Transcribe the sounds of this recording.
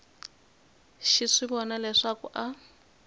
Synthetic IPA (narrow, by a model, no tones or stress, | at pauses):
ʃisɪbɔnalɛʂakɔʔa